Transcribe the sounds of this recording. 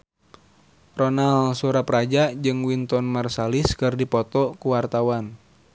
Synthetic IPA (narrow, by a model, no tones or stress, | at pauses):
rɔnalsuɾapɾad͡ʒad͡ʒɨŋwint̪ɔnmarsaliskɨrdipɔt̪ɔkuwart̪awan